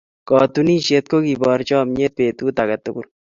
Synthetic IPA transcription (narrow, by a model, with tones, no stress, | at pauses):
kɔ˨t̪u˦niː˦ʃe˦t̪̚ko˦ki˨bɔ˨ɾt͡ʃɔː˦mɲe˦t̪̚peː˨t̪uː˦t̪a˨kɐt̪ʊku˦ɾ